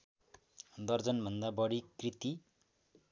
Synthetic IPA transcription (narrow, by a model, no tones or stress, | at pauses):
d̪ʌrd͡zʌnbʱʌnd̪abʌɽikrit̪i